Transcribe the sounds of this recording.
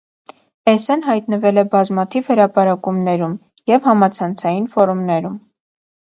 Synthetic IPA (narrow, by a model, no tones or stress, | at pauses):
ɛsɛnɦɑjt̪nəvɛlɛbɑzmɑt̪ʰivhəɾɑpɑɾɑkumnɛɾum | jɛvhɑmɑt͡sʰɑnt͡sʰɑjinfɔɾumnɛɾum